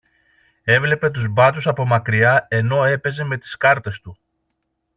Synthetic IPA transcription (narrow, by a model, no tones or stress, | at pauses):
e̞vle̞pe̞t̪uzbɐt̪usɐpo̞mɐkɾiɐe̞no̞e̞pe̞ze̞me̞t̪i̥skɐɾt̪e̞st̪u